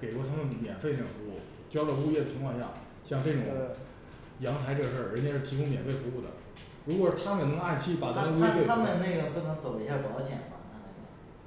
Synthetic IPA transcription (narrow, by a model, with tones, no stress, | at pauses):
ke˨˩ɪwɔ˥˩t̪ʰa˥ə˥˩ŋ˩mjɛ̰˨˩nfe˥˧ne˥˩ɡfu˧˥u˥˩ | t͡ɕjɑ˥ʊlə˧u˥˧jɛ˥˩d̪ə˩t͡ɕʰi˧˥ŋkʰwɑ˥˧ŋɕja̰˥˩ | ɕjɑ˥˧ŋʈ͡ʂɤ˥˩ʈ͡ʂʊ˨˩ŋ | jɑ˧˥ŋt̪ʰa˧˥ɪʈ͡ʂɤ˥˩ɡə˩ʂə˥˩ɻə˧˥t͡ɕjɛ˧˥ʂɻ̩˥˩t̪ʰi˧˥kʊ˥ŋmjɛ˨˩nfe˥˩ɪfu˧˥u˥˩d̪ə̰˩ | ɻu˧˥kwɔ˨˩ʂɻ̩˥˩t̪ʰa˥mə˨˧˨nɤ˧˥ŋa˥˩nt͡ɕʰi˥˩pa˨˩t̪ə˧wwe˥˩a˥mə˨n˧ne˥˩ɪɡə˧˩kɤ˥t͡sʰɤ˧˥t͡so˨˩ʊi˥ɕja˥˩pɑ˧˥ʊɕjɛ̰˨˩nma̰˧˩˧mə˧˩˥